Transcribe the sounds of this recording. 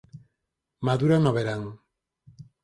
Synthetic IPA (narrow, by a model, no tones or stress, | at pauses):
maðuɾanoβeɾaŋ